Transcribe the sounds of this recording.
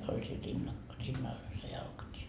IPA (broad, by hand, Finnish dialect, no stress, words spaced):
olʲ siːn rinːɑ rinːɑl olʲ se jɑlkɑtie